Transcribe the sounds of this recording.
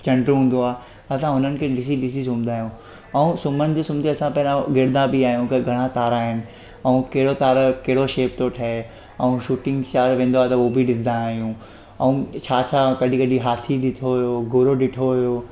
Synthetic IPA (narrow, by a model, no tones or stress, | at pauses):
t͡ɕɐ̃ɳɖɾɦũːn̆d̪oaːe | t̪ɐsãɦʊnənɪ̆kʰeːɗɪs̬iɗɪs̬izʊ̃md̪ʱaːɦijũ | ɛ̃ũsʊmənɪ̆d͡ʑeːsʊmd̪eɐsãpɐɦɪɾãɡɪɾd̪ãbiaːɦijũkɐɡʱɐɽ̃at̪aːɾaːɦɪnɪ̆ | ɛũkeɦɪɽot̪aːɾkɐɦɪɽoʃeːp̚t̪oʈʰɐe | ɐ̃ũʃuːʈɪ̃ŋɡt͡ɕaːɾʋẽːn̆d̪oaːɦet̪ɐobʱiɗɪsd̪ãaːɦijũ | ɛ̃ũt͡ɕʰaːt͡ɕʰakɐɗĩkɐɗĩɦaːt̪ʰiɗɪt̪ʰoɦʊjoɡʱʊɾoɗɪʈʰoɦʊjoː